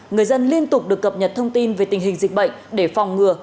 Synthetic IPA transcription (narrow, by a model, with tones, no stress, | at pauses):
ŋɨ˨˩əjzə˧nli˧ənt̪ʊ˨˩k͡p̚ɗɨ˨˩əkːə˨˩p̚ɲə˨˩t̚t̪ʰə˧wŋ͡mt̪i˧nve˨˩t̪ï˨˩ŋ̟ɦï˨˩ŋ̟zï˨˩k̟̚ɓə̰˧˨jŋ̟ɗe˧˩fa˨˩wŋ͡mŋɨ˨˩ə